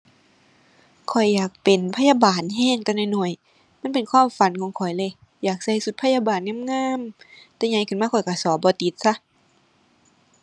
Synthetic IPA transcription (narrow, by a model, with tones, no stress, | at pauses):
kʰɔ˨˩jːaː˨˩k̚pe˨˩npʰa˧˥˨jaː˧baː˨˩nɦɛː˧˥˨ŋt̪ɛ˧˦nɔ˧˨jnɔ˧˩əj | ma˧˥˨pe˨˩nkʰwaː˧˥˨mfa˨˦nkʰɔː˨˦ŋkʰɔ˨˩jle˧˨ | jaː˨˩k̚sa˧˩jsu˧t̪̚pʰa˧˥jaː˧˨baː˨nŋaː˧˥˨mŋaː˧˥˨m | t̪ɛː˧˦ɲa˧˦jkʰɯ˧˩˨maː˧˥˧kʰɔ˨˩jka˧˩sɔː˨˦bɔː˧˦t̪i˧˦t̪̚sa˧˦